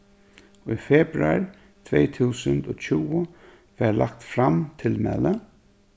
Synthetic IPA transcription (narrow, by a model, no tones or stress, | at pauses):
ujfɛːpɾaɹ | t̪ʰvɛjt̪ʰuːsənt̪ɔːt͡ʃʰuːwʊ | ʋɛɹlak̚t̪fɾamt̪ʰɪlmɛ̰lə